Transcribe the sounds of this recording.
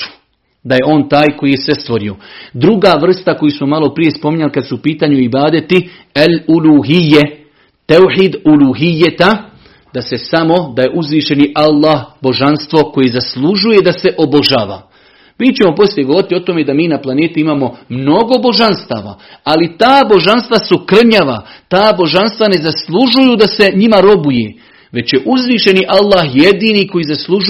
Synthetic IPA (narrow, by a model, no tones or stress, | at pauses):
d̪aje̞o̞ːnt̪aːjko̞jije̞sest̪ʋo̞ɾio̞d̪ɾuɡaːʋr̩st̪ako̞jusmo̞malˠo̞pɾije̞spo̞miɲalikad̪suːpiːt̪aːɲuibaːd̪et̪i | ɛluluːijːe | t̪owħiːd̪uluɦijːet̪a | d̪ase̞samo̞d̪aje̞ʔuzʋiːʃe̞niʔalˠːaːɦbo̞ʒanst̪ʋo̞ko̞jezaslˠuʒuje̞d̪ase̞ʔo̞bo̞ʒa̰ːʋa̰ː | miːt͡ɕemo̞po̞slijeɡoo̞ɾit̪iot̪o̞me̞d̪amiːnaplˠane̞ːt̪iimaːmo̞mno̞ɡo̞bo̞ʒanst̪a̰ːʋa̰alit̪aːbo̞ʒanst̪ʋasukr̩ɲaːʋa̰t̪aːbo̞ʒanst̪ʋane̞zaslˠuʒujud̪ase̞ɲimaɾo̞buje̞ | ʋe̞t͡ɕje̞ʔuzʋiːʃe̞niʔalˠːaːhje̞d̪iːniko̞jiːzaslˠuʒ